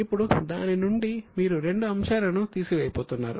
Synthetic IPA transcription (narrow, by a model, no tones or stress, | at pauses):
ipːuɽud̪aːninuɳɖimiːɾuɾe̞ɳɖuɐmʃaːɾɐnut̪iːsiʋɛːjipoːt̪unːa̰ːɾu